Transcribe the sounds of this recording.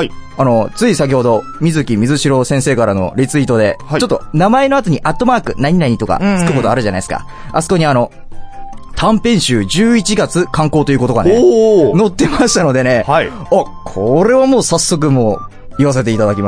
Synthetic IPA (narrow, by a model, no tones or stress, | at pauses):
ano̞t͡sɨisak̬ʲiho̞d̪o̞ | mʲizɨkʲimʲizɨɕiɾo̞sẽ̞ɰ̃seːkaɾano̞̰ɾʲit͡sɨit̪o̞d̪e̞t͡ɕo̞t̪ːo̞namae̞no̞at̪oɲ̟iʔat̪ːo̞maːkɯ̟naɲ̟inaɲ̟it̪o̞ka̰t͡sɨ̥kɯ̟ko̞t̪o̞aɾɯ̟ʑana̰isɨ̥ka̰ | asɨ̥ko̞ɲ̟iano̞ | t̪ʰãmpẽ̞ɰ̃ɕɨːd͡ʑɨːit͡ɕiɡat͡sɨkãŋko̞ːt̪o̞jiɯ̟ko̞t̪o̞ɡaneno̞t̪ːe̞maɕi̥t̪ano̞d̪e̞ne̞i | akʰoɾe̞βamoːsasːo̞k̬ɯ̟mo̞ː | iβas̬e̞t̪e̞it̪ad̪akʲima